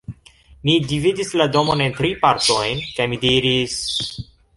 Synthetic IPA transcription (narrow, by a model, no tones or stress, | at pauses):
midividislado̞mo̞ne̞ntɾipaɾto̞jnkajmidiɾis